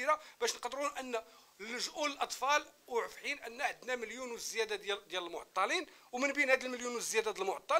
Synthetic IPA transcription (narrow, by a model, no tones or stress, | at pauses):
iɾabæʃnqd̪ɾunʔənːæ | ʒʔuləlʔɑt̪ˤfɑlwʕəfħinʔənːæħəd̪næməljunwzːjæd̪ad̪jæləlmʊʕt̪ˤːɑlinwmənbinhæd̪əlməljunwəzːəjæd̪ad̪əlmʊʕt̪ˤːɑ